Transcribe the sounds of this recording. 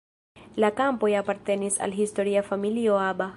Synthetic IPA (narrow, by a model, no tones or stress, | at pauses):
lakampo̞japaɾt̪e̞nisa̰lɦisto̞ɾiafamilioaba